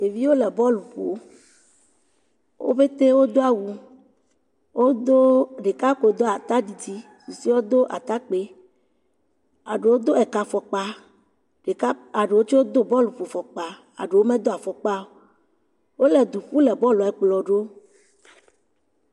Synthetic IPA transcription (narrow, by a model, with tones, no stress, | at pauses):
e˨vi˦wo˦lɛ˨bɔ˦lu˨ɸo˨ | wʔo̰˦ɸe˦t̪e˦wo˦d̪o˦a˦˨wu˨ | o˦o˦ɖe˨ka˦ko˨d̪o˦a˨t̪a˦ɖi˨di˦ | su˨si˦wo˦d̪o˦ʔa̰˨t̪a˦k͡pe˦ | a˨ɖe˨wo˦d̪o˦ɛ˨ka˨fɔ˨k͡pa˨ | ɖe˨˦a˨ɖe˨wo˦t͡ʃo˦wo˦d̪o˦bɔ˦lu˨ɸo˨fɔ˨k͡pa˨ | a̰˨ɖe˨wo˦mɛ̃˦d̪o˦a˨fɔ˨k͡pa˦o˨ | wo˦lɛ˨d̪u˨ɸu˦lɛ˨bɔ˦lu˨ɛ˨k͡plɔ˨ɖo˦